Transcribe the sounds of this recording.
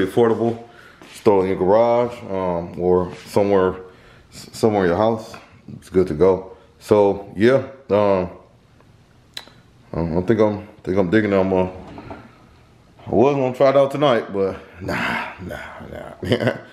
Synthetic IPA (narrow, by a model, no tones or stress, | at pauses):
iɨfʰɔɹɾəbl̩ˠ | stɑlɪ̃ŋɨ̃nɡə˞ɑʒʌ̃mə˞sʌ̃mwɛɹ | sʌ̃mwɛɹɨ̃nəɦaʊs | ɪtsɡ̥ʊd̚tʰɨɡoʊ | soʊjæʌ̃m | ʌãθɪ̃ŋkãɪ̃mθɪ̃ŋkãɪ̃mdɪɡɪ̃ŋə̃mʌ | awʌznə̃ɪntʰɹ̥aɪɾaʊtʰənaɪt̚b̥ʌt̚nonono̰æ